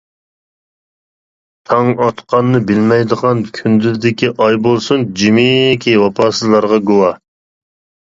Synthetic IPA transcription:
t̪ʰɑŋɑt̪qɑnːɨbɪlmɛjd̪əʁɑnkʲʰynd̪yzd̪ɪkʲiʔɑjbolˠsund͡ʒimikʲiwɑpʰɑːsɨzlˠɑɾʁɑɡowɑ

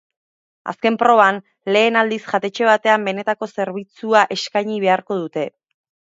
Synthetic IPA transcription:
a̰ske̞mpɾo̞βan | le̞ːnald̪isʝat̪e̞t͡ʃe̞β̞at̪e̞ambe̞ne̞t̪ako̞se̞ɾβit͡suaʔe̞skajɲiβ̞e̞aɾko̞ð̞ut̪e̞

